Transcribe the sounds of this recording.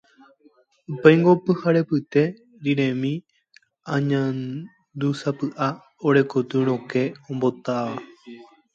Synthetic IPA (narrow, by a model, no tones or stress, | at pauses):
upejŋɡo̞pɨhaɾe̞pɨt̪e̞ | ɾiɾẽ̞mĩ | ãɲãn | d̪usapɨʔa | oɾe̞kot̪ɨɾ̃õke̞õmbo̞t̪aʋa